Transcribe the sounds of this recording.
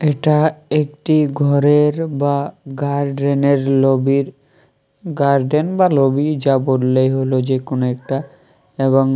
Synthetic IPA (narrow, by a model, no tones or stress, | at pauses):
eʈaekʈiɡʱɔɾeɾbaɡaɾɖɾeneɾlobiɾ | ɡaɾɖenbalobid͡ʑaboɖlejɦolod͡ʑekonoek̚ʈa | eβoŋ